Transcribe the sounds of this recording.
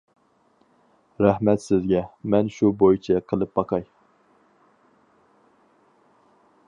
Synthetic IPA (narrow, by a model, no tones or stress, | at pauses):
ɾɛhmɛt̪sɪzɡʲɛmɛnʃubojit͡ʃʰɛqʰəlˠɨp̚bɑqʰɑj